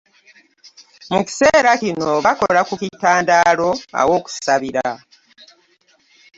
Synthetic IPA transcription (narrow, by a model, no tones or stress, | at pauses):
muki̥se̞ːɾakino̞βako̞̰lakukitaːndaːlo̞a̰wo̞ːku̥saβiɾa